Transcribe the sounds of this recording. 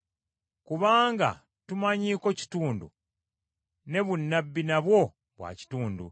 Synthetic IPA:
kuβaːŋɡa̰ | tumaɲiːko̞ci̥tuːndṵ | ne̞βunːabːinaβwo̞ | βwa̰ːci̥tuːndṵ

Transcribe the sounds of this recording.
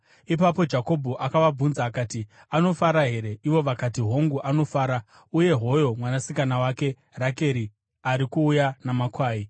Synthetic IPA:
ipapo̞d͡ʒako̞bʱuʔakaʋab͡vunzaːkaːti | ano̞faɾaɦe̞ɾe̞ʔiʋo̞ʋakatiɦo̞ŋɡuʔano̞faːɾa | uje̞ɦo̞jo̞mwanasikanawake̞ | rake̞ɾi | aɾikuːjanamakwaːi

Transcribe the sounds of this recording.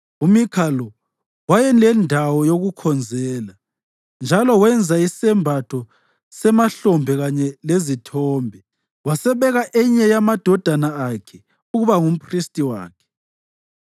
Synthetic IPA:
umikʰalɔ | wajɛnlɛndʱawɔjoɣukʰɔnd͡zʱɛːla | nd͡ʒʱalɔwɛnd͡zʱaisɛmbʱatʰɔ | sɛmaɬɔmbʱɛɣaɲɛlezitʰɔːmbʱɛ | wasɛβɛɣaʔɛɲɛjamad̥ʱɔd̥ʱanaːkʰɛ | uɣuβaŋum̩pristʼiwa̰ːkʰɛ̥

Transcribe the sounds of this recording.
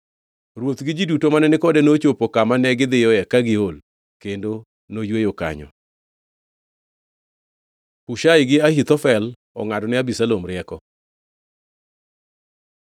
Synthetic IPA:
ɾwot̪ɡɪd͡ʒɪdutomanɛnɪkɔdɛnot͡ʃopokamanɛɡɪd̪ɪjɔɛkaɡɪol | kendo | nojwejoka̰ɲɔ̰ | kuʃajɡɪahit̪ɔfɛl | ɔ̰ŋadɔnɪabisalomɾɪɛkɔ

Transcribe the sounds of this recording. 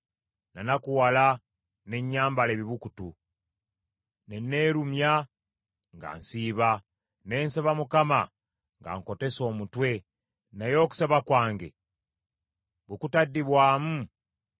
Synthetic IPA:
nanakuwala | ne̞ɲːaːmbale̞βiβukutu | nenːe̞ːɾumja | ŋɡa̰nsiːβa | ne̞ːnseβamukama | ŋɡa̰ŋko̞te̞so̞ːmutwe̞ | najo̞ːku̥seβakwaːŋɡe̞̰ | βukutadːiβwaːmu

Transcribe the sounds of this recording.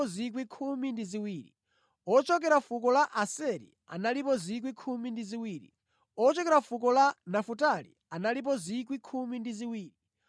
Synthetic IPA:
ɔzikwikʰumindiziwiːɾḭ | ɔt͡ʃɔkɛɾafuk̬ɔlaʔasɛɾḭ | a̰nalipɔzik̬wikʰumindiziwiːɾḭ | ɔt͡ʃɔkɛɾafukɔlanafutalḭanalip̬ɔzik̬wikʰumindiziwiːɾi

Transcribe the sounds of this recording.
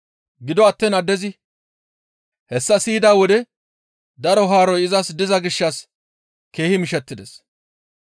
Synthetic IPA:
ɡɪd̪ɔɐt̪ːɛnɐd̪ːɛzɪ | hɛsːɐsiːd̪aːwɔd̪ɛ | d̪ɐɾɔɦaːɾɔjɪzɐsd̪ɪzɐɡɪʃːɐs | ke̞ːhɪmɪʃɛt̪ːɪd̪ɛs

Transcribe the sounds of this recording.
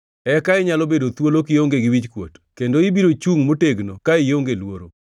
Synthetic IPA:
ɛkaɪɲalobedot̪wolokɪjoŋɡeɡɪwit͡ʃkwo̰tkendoibiɾot͡ʃuŋmoteɡnokaɪjoŋɡelwoɾo

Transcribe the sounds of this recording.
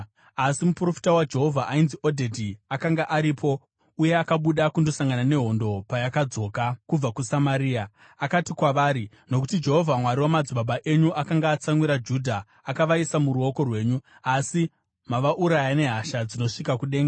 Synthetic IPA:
asimupuro̞fi̥tawad͡ʒe̞ɦo̞vʱaʔainziʔo̞dʱe̞dʱiakaŋɡaʔaɾipʰo̞ | uje̞akaɓuɗakundo̞saŋɡanane̞ɦo̞ndo̞pajakad͡zo̞ːkakub͡vakusamaɾiːa | akatikwaʋaːɾi | no̞k̬utid͡ʒe̞ɦo̞vʱamwaɾiwamad͡ziɓaɓaʔe̞ɲuʔakaŋɡaːt͡samwiɾad͡ʒuːdʱaː | kaʋaisamuɾuo̞ko̞rwe̞ːɲuasi | maʋaʔuɾajane̞ɦaʃad͡zino̞ʂikakuɗe̞ːŋɡa

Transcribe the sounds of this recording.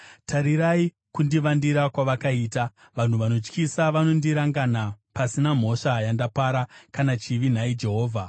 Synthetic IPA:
tʰaɾiɾai | kundiʋandiɾakwaʋakaiːta | ʋan̤uʋano̞t͡ʃkisaʋano̞ndiɾaŋɡanapasinam̤o̞ʂajandapaɾakanat͡ʃiʋin̤aid͡ʒe̞ɦo̞ːvʱa

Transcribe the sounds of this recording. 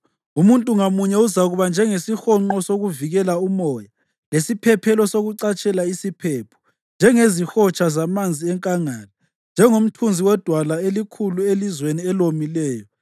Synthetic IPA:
umuntʼuŋamuɲɛuzaɣuβand͡ʒʱɛŋesixɔŋ͡ǃɔsoɣuviɣɛlaumɔːja | lesipʰɛpʰɛlɔsoɣuǀat͡ʃʼɛlaisipʰɛpʰɔ̥ | nd͡ʒʱɛŋezixɔt͡ʃʰʼazamand͡zʱiɛŋkʼaŋaːla | nd͡ʒʱɛŋom̩tʰund͡zʱiwɛd̥ʱwalaelikʰuluelizweniɛlomilɛːjɔ

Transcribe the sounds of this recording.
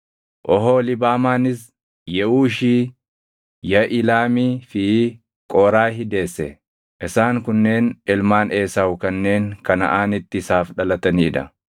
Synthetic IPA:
ʔɔɦoːlɪbaːmaːnɪs | jɛʔuːʃiː | jɐʔɪlaːmiːfɪ | kʼɔːɾaːhɪd̪e̞ːsːɛ̰ | ʔɪsaːŋkʊnːe̞ːnɪlmaːnʔe̞ːsaːwʊkɐnːe̞ːŋkɐnɐ̰ʔaːnɪt̪ːɪsaːfᶑɐlɐt̪ɐniːᶑ̪ɐ̰

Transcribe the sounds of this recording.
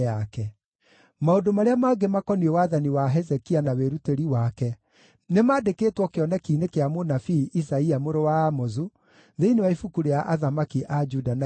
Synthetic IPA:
akɛ | maodomaɾeamaɡemakɔniɛwaðaniwaɦɛzɛkianaweɾuteɾiwakɛ | nemaːdekeːtwɔkeɔnɛkiːnekeamonafiʔisaiamoɾowaːmozu | ðeinewaifukuɾeaʔaðamakiʔad͡ʒudana

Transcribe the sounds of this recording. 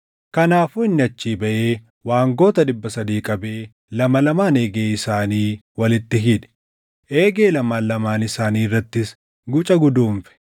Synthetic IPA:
kɐnaːfʊɪnːɪɐt͡ʃːiːbɐʔe̞ː | waːŋɡo̞ːt̪ɐdɪbːɐsɐd̪iːkʼɐbe̞ː | lɐmɐlɐmaːneːɡeːɪsaːniːwɐlɪt̪ːɪɦɪᶑɛ̥ | ʔe̞ːɡeːlɐmaːnlːɐmaːnɪsaːniːrːɐt̪ːɪs | ɡʊt͡ʃʼɐɡʊd̪uːɱfɛ̥

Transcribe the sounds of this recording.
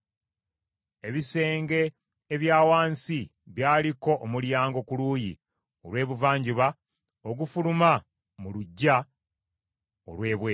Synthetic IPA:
e̞βise̞ːŋɡe̞ː | βjaːwaːnsiβjaːliko̞ʔːmuljaːŋɡo̞kulujḭ | olwe̞ːβuvaːɲɟuβa | oɡufuluma | muluɟːa | o̰lwe̞ːβwe

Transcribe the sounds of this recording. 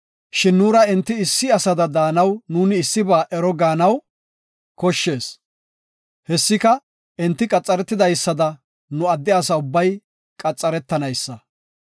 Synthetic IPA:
ʃɪnːuːɾɐɛnt̪ːɪɪsːɪɐsɐd̪ɐd̪aːnɐwnuːnɪːsːɪbaːʔɛɾɔɡaːnɐw | kɔʃːe̞ːs | hɛsːɪkɐ | ʔɛnt̪ːɪkʼɐt͡sʼːɐɾɛt̪ːɪd̪ɐjsːɐd̪ɐ | nʊɐd̪ːɪɐs̬ɐʊbːɐj | kʼɐt͡sʼːɐɾɛt̪ːɐnɐjsːɐ

